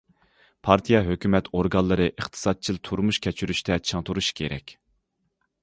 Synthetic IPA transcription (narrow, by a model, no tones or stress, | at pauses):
pʰɑɾt̪ʰijɑɦøkʲymɛt̪ʰoɾɡɑnlˠːɨɾɨʔəχt̪ʰɨ̥sɑt̪̚t͡ʃʰilˠt̪ʰuɾmuʃkʲʰɛt͡ʃʰyɾyʃt̪ʰɛt͡ʃʰɨŋt̪ʰuɾuʃkʲʰeɾɛ̰kʲ